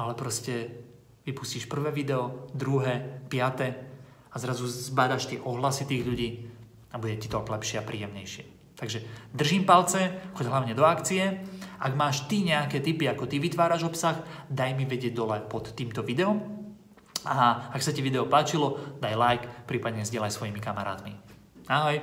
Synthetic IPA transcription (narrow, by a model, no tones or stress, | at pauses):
alɛpɾɔscɛ | ʋipu̥sciʃpr̩ʋɛːʋid̪ɛɔd̪ɾuɦɛːpɪat̪ɛ | azɾazuzbad̪aʃt̪ɪɛʔɔɦlasit̪iːɣʎuɟiː | abuɟɛcit̪ɔɡlɛpʃɪɛapɾḭːjɛmɲɛjʃɪɛ | t̪aɡʒɛd̪r̩ʒimpalt͡sɛxɔɟɦlaʊɲɛd̪ɔakt͡siɛʔaɡmaːʃt̪iɲɛakɛːt̪ipiakɔt̪iʋit̪ʋaːɾaʒɔpsaxd̪ajmiʋɛɟɪɛɟ̚d̪ɔlɛpɔt̪ːiːmt̪ɔʋid̪ɛɔm | aaksaciʋid̪ɛɔpaːt͡ʃilɔd̪ajlajkpɾiːpad̪ɲɛzɟɪɛlajsʋɔjimikamaɾa̰ːt̪mḭ | aɦɔj